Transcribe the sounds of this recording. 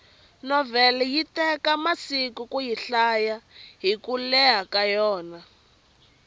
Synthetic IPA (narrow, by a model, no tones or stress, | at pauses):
nɔvɛlɛjitɛkamasikukujiɬajaɦikulɛɦakajɔːna